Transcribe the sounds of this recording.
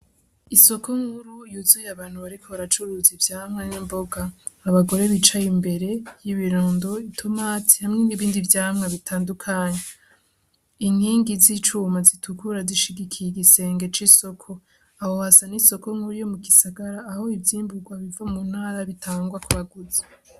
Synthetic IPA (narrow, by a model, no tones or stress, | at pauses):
iso̞ko̞ŋhuɾujuzujaβaːn̥huβaɾikʰoβaɾat͡ʃuɾuzivjaːmŋenimboɡaː | βaɡo̞ɾe̞βit͡ʃajimbe̞ɾe̞jiβiɾoːndo̞itʰo̞maːti̥hamŋeniβiːndivjaːmŋeβitʰaːndukʰaːɲe | inhiːŋɡizit͡ʃuːmazitʰukuɾaziʃiɡikʰijiɡise̞ːŋɡe̞t͡ʃiso̞kʰo̞ | ahohasaniso̞ko̞ŋhuɾujo̞muɡisaɡaɾaːho̞ivjiːmbuɡwaβivamun̥haːɾaβitʰaːŋɡwakuβaɡuze̥